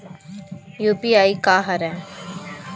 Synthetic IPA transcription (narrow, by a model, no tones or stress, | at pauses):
juːpiːaːikaːɦɐɾɛː